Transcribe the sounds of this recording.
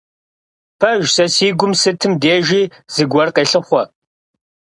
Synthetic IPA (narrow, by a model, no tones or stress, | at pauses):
pʰɐʒsɐsiːɡʷʊmsɨtʰɨmdeːʒiː | z̥ɨɡʷɐrqeːɬɨχʷɔ